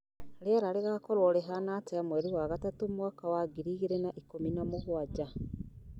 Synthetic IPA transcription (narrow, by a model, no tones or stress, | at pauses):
ɾeaɾaɾeɣakɔɾwɔɾɛɦanateamwɛɾiwaːɣatatomwaːkawaɡiɾiːɣeɾenaʔikominamoɦwaɟa